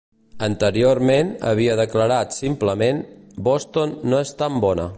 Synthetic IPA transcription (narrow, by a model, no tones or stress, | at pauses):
ənt̪əɾioɾmenə̰βiəðəkləɾat̪simpləmenbost̪onːoest̪ambɔnə̰